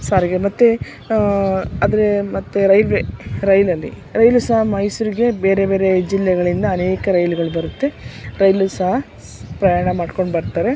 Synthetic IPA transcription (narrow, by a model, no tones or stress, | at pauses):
saːɾiɡemɐt̪ːe | aːd̪ɐɾemɐt̪ːeɾɐjlʋeɾɐjlɐlːḭ | ɾɐjlusɐɦɐmɐjsuɾiɡe̞be̞ːɾe̞be̞ːɾe̞d͡ʒilːɛɡɐɭind̪ɐːneːkɐɾɐjluɡɐɭubɐɾut̪ːe̞ɾɐjlusɐɦɐ | pɾɐjaːɳɐmaːɖko̞ɳɖbɐɾt̪ːaːɾe̞